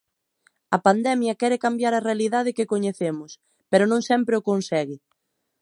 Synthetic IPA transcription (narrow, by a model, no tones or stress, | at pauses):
ɐpand̪ɛmjɐkɛɾɪkambjaɾɐrealiðað̞ɪkɪkoɲeθemʊs | peɾʊnõŋsɛmpɾeʊkonsɛɣɪ